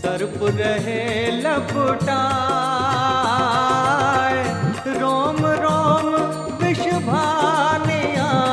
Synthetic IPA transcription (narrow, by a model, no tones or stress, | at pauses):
ɐɾpɾɐɦelɐbʊʈaː | ɾɔːmɾɔːm | ʋɪʃbʱaːnijãː